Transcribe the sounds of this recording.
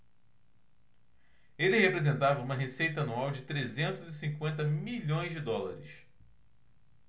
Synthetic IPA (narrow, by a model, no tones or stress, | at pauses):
elɪɦepɾezẽnt̪avɐũmɐɦesejt̪ɐanuawd͡ʒɪt̪ɾezẽnt̪ʊzisĩŋkwẽnt̪ɐmiʎõj̃zd͡ʒɪd̪ɔla̰ɾɪs